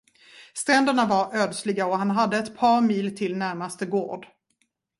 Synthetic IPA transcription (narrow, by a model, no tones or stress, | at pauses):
st̪ɾɛnd̪əɳavaɾœːd̪slɪɡaɔɦanɦad̪ːəɛt̪pʰɑːɾmiːlt̪ʰɪlnæɾmast̪əɡo̰ːɖ